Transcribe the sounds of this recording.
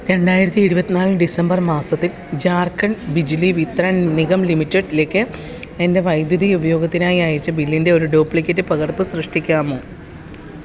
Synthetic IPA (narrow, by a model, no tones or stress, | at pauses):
ɾe̞ɳɖaːjiɾɐt̪ːiiɾubɐt̪ːinaːlɨɖisɐmbɐrmaːsɐt̪ːil | d͡ʑaːrkːɐɳbid͡ʑliʋit̪rɐniɣɐmlimitːeɖleːkːɨ | ende̞ʋɐjd̪jɐðiubɐjo̞ːɡɐt̪ːinaːjiaːjit͡ɕːɐbilːinde̞o̞ɾuɖoːpːlikʲːɐtːɨpɐɣɐrpɨsrɨʂʈikʲːaːmoː